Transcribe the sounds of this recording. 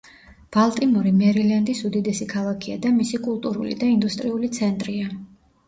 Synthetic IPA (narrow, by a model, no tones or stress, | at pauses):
b̥alˠt̪ʼimɔɾimɛɾiland̪isud̪id̪ɛsikʰalˠakʰia̰d̪amisikʼulˠt̪ʼuɾṵlḭd̪aind̪ust̪ʼɾiulit̪sʰɛnt̪ʼɾia